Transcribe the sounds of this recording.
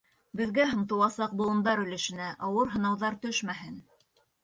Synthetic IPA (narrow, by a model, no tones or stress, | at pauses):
bɘ̆ðɡæɦɤ̆mt̪ɤ̆wˠɑsɑq̚bŭlˠɤ̆nd̪ɑɾɵ̆lɘ̆ʃɘ̆næʔɑwɤɾɦɤ̆nɑwðɑɾt̪ɵʃmæɦɘn